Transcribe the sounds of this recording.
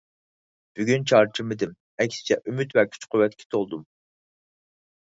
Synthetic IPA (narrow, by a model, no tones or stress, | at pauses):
b̥yɡʲynt͡ʃʰɑɾt͡ʃʰɪmɪd̪ɪm | ɛkʲsɪ̥t͡ʃʰɛʔymyt̪vɛkʲʰy̥t͡ʃqʰʊwɛt̪̚kʲʰɛ̥t̪ʰolˠd̪um